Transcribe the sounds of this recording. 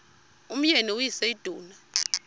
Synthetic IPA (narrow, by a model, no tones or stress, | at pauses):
um̩ɲɛnɛujisɛid̥ʱuːna